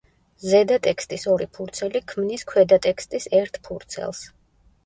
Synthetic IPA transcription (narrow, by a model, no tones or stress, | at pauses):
zɛd̪at̪ʼɛkst̪ʼisɔɾipʰuɾt̪sʰɛlikʰmniskʰwɛd̪at̪ʼɛkst̪ʼisɛɾt̪ʰpʰuɾt̪sʰɛ̰lˠs